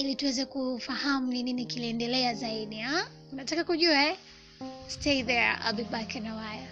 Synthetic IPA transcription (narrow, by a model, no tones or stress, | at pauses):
ilituwɛzɛkufahamunininikiliɛndɛlɛazaiɗia | unatakakuʄuaɛ | stʰɛiðɛɹa̰lbibakɛnawaja